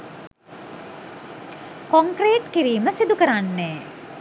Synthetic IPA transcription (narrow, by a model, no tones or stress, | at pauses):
koŋkreːʈkiɾiːməsid̪ukəɾanːɛː